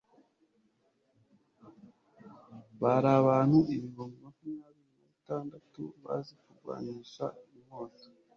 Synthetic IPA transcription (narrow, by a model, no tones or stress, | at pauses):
βaɾaβaːn̥huʔiβiβomumakumɲaːβiɾinaβitaːndatṵβa̰zikuɡwa̰ːɲiːʃaiimoːto̥